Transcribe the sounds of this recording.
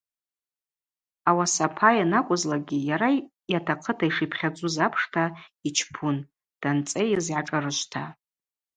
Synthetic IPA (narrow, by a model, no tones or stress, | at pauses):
awasapʰajanakʷʼʊzlaɡʲijaɾa | jatʰaqʰətʰaiʂipʰχʲad͡zʷʼuzapʰʂtʰait͡ʃʰpʰun | d̥ant͡sʼejzʕaʈ͡ʂʼarɨʃʷtʰa